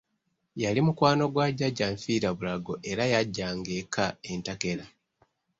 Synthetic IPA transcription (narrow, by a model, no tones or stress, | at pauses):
jalimukwaːno̞ɡwaɟːaɟːaɱfiːɾaβulaɡo̞ʔe̞ɾajaɟːaŋɡe̞kʰaentake̞la